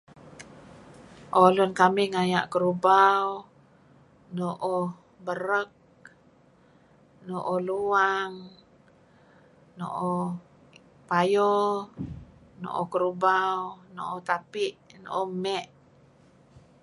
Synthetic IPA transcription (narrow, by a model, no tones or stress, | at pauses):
ʔolʊnkamɪhŋaja̰ʔkəɾubaw | noʔo | bəɾək̚ | noʔoluaŋ | no̰ʔo | pajo | no̰ʔokəɾubawnoʔot̪apiʔno̰ʔomɛʔ